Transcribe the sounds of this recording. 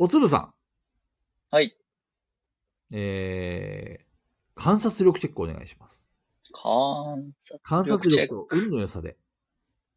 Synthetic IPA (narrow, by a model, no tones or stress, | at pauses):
o̞t͡sɨbɯ̟s̬ã̰ŋ | hai | eː | kʰãɰ̃sat͡sɨɾʲo̞kɯ̟ke̞kːɯoːne̞ɡa̰iɕi̥masɨ̥ | kʰasakãɰ̃sat͡sɨɾʲo̞kɯoɯ̟̃nːojosad̪e̞̰